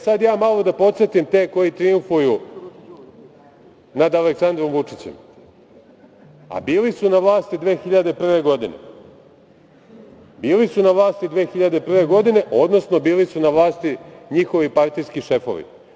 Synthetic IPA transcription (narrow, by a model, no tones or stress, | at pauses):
sad̪jaːmalˠo̞d̪apo̞t̪set̪imt̪eːko̞jit̪ɾijuɱfuju | nad̪aleksand̪ɾo̞mʋut͡ʂit͡ɕḛm | a̰biːlisunaʋlˠaːst̪id̪ʋe̞ːxiʎad̪e̞pr̩ʋe̞ɡo̞d̪inḛ | biːlisunaʋlˠaːst̪id̪ʋe̞ːxiʎad̪e̞pr̩ʋe̞ɡo̞d̪ine̞ʔo̞d̪no̞sno̞biːlisunaʋlˠaːst̪iɲixo̞ʋipaɾt̪ijskiʃe̞fo̰ʋḭ